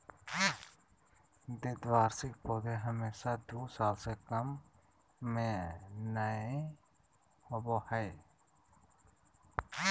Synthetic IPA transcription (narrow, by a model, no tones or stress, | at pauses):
d̪eːd̪ʋaːɾsɪkpoːd̪eɦəmeːʃad̪uːsaːlsekəmː | ẽnaẽ | hobohɛe